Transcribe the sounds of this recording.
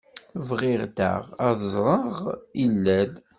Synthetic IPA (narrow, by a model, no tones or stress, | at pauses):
vʁɪʁd̪æ̰ʁæðzˤɾˤəʁilːæl